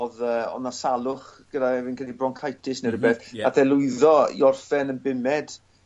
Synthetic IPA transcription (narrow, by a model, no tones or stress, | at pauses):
ðəːɔ̰nasalˠʊχɡ̥ədaɛvɪnkənibrɔŋkʰajtʰɪsnərəbɛθaθɛlˠʊɨðɔḭɔrfɛnənbɪmɛd̥